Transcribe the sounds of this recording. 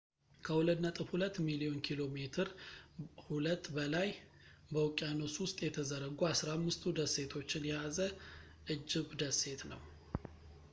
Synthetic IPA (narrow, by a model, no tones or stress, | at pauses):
kʰəhuləd̪nət̪ʼɨfhulət̪ːmilio̞nkʰilo̞me̞t̪ʰɨɾ | hulət̪ːbəlaj | bəwkʼjanoswʊst̪ʼjɛt̪ʰəzəɾəɡuasɾamːɨst̪ʰud̪əsːe̞t̪ʰo̞t͡ʃːɪnjɛjazə | ʔɨd͡ʒːɪɡd̪əse̞t̪nə̰w